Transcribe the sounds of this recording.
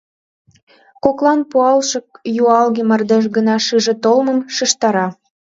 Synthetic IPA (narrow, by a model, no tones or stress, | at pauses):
koklɑnpuɑlʃɤ̆k̚juɑlɣemərd̪eʃ̬ɡənɑʃɯʒĕt̪olmə̆mʃəʃt̪ɑɾɑ